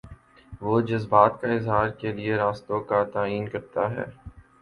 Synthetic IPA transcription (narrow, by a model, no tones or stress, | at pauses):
ʋoːd͡ʒɐzbaːt̪kaɪzɦaːɾkelieɾaːst̪õkat̪aːiːnkɐɾt̪aɦɛ̰ː